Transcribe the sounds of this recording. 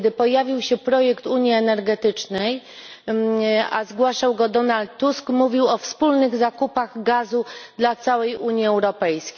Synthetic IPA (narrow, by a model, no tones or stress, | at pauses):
d̪ɘpɔjavʲiwɕɛpɾɔjɛkt̪uɲjiɛnɛɾɡɛt̪ɘt͡ʂnɛj | azɡwaʂawɡɔd̪ɔnalt̪ːuskmuvʲiwɔfspulnɘɣzakupaɣɡazud̪lat̪sawɛjʔuɲjiɛwɾɔpɛjskʲ